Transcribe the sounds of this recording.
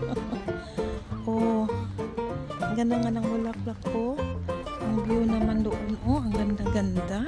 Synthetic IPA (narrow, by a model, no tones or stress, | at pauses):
ʔo | ɐŋɡɐnd̪aŋanɐŋʊlaklakʰːo | ʔɐŋbɪjonɐmand̪oʔonʔoʔɐŋɡɐnd̪aɡɐnd̪a